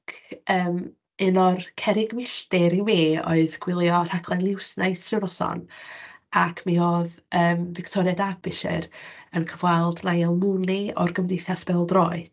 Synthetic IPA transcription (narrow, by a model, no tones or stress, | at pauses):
kʰəːm | ɨnɔrkʰɛɾɪɡmɪɬtɪɾimiːo̰ɨðɡ̥wɪlˠjɔr̥akʰlˠanlˠɪwsnaɨtʰrɪwɾɔsɔ̰n | akʰmiɔð | əːmvɪktʰɔɾɛdabɪʃɪ̰ɾənkʰəvwalˠdnajlˠmuniɔ̰rɡəmdejθjasb̥ɛlˠdrɔːɨd̥